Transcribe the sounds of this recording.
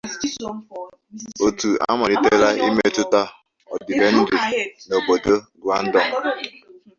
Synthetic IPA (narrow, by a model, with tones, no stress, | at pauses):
o˨tu˨a̰˦ma˨ɾi˨te˦ɾa˦ḭ˦me˦tʊ˦ta˦ | ɔ̰˨dɪ˨ve˦n̩˦dɪ˨no˨bo˨do˦ɡa˦n̩˦dɔ˨ŋ̩˨